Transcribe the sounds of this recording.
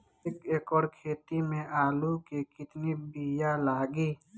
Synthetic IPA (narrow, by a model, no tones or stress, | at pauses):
ekeːkɔːɾkʰeːt̪imẽʔaːlukekɪt̪nibijalaːɡiː